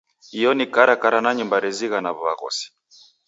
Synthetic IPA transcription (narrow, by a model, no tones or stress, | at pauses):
ijɔnikaɾakaɾanaɲimbaɾɛziɣanaβɔβa̰ɣɔ̰si̥